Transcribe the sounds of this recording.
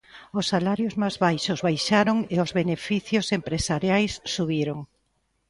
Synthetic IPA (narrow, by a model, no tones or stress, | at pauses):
ʊsːalaɾjʊzmazβajʃʊzβajʃaɾoŋeʊzβenefiθjosempɾesaɾjajsːuβiɾoŋ